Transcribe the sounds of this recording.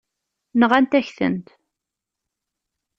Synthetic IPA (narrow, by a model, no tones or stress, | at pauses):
nəʁænt̪æçθə̰nt̪